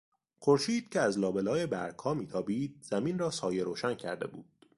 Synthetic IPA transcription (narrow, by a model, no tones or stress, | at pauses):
xoɾʃiːd̪̥̚cʰeæzlɒːbelɒːjebæɾkʰhɒːmiːt̪ʰɒːbiːd̪̚z̥æmiːnrɒːsɒːjeɾoːʃæncʰæ̰ɾd̪e̞̰buːd̪̥